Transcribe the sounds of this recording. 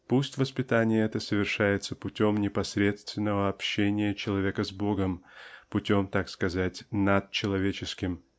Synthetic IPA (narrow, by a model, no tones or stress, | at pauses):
pusʲtʲvəspʲɪt̪anʲɪjəɛt̪əsəvʲɪrʂajɪt̪səpʊtʲo̞mnʲɪpɐsɾʲe̞t̪st̪vʲɪnːəvəɐpɕːenʲɪjət͡ɕɪlˠɐvʲe̞kəzbo̞ɡəmpʊtʲo̞mt̪akskɐzatʲnat̪̚t͡ɕɪlˠɐvʲet͡ɕɪskʲɪm